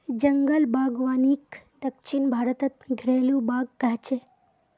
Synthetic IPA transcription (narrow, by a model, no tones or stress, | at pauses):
d͡ʒəŋɡəlbaɡʋanikd̪əkʃinbʱaɾət̪ət̪ɡʱɾelũbaɡ̚ːat͡ʃe